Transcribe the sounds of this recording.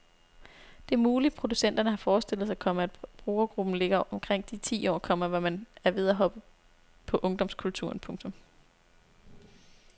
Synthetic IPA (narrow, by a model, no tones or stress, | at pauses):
d̥e̝æɐmuːlid̥̚pʰʁo̝d̥usen̰d̥ɐnəɦɑ̈fɒːsd̥e̝l̰ð̩ˠsɑ̈kʰɒ̽məæd̥b̥ʁuːɐɡ̥ʁub̥n̩le̝ɡ̥ɐʔɒ̽mkʰʁeŋ̰d̥it͡sʰḭːɒ̰ːkʰɒ̽m̰ɐʋɒmænæɐʋeð̞ˠæɦɒ̽b̥ə | pʰɒ̽ʔɔ̽ŋd̥ɒ̽m̰skʰult͡sʰṵɐ̰npʰɔ̽ŋt͡sʰɔ̽m